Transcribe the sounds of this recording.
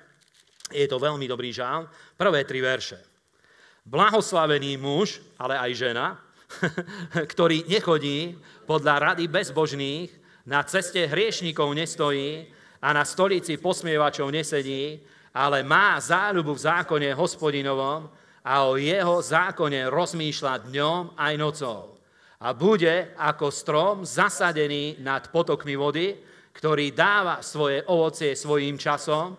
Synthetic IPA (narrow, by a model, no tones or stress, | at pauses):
jɛt̪ɔʋɛʎmid̪ɔbɾiːʒalmpr̩ʋɛːt̪ɾiʋɛɾʃɛ | blaɦɔslaʋɛniːmuʃ | alɛajʒɛna | kt̪ɔɾiːɲɛxɔɟiːpɔd̪ʎaɾad̪ibɛzbɔʒniːx | nat͡sɛscɛɦɾɪɛʃɲiːkɔʊɲɛst̪ɔjiː | anast̪ɔʎit͡sipɔsmɪɛʋat͡ʃɔʊɲɛsɛɲiː | alɛmaːzaːʎubuvzaːkɔɲɛɦɔspɔɟinɔʋɔm | aɔjɛɦɔzaːkɔɲɛɾɔzmiːʃlad̪ɲɔmajnɔt͡sɔʊ | abuɟɛakɔst̪ɾɔmzasaɟɛniːnat̪pɔt̪ɔkmiʋɔd̪i | kt̪ɔɾiːd̪aːʋasʋɔjɛʔɔʋɔt͡sɪɛsʋɔjiːmt͡ʃasɔm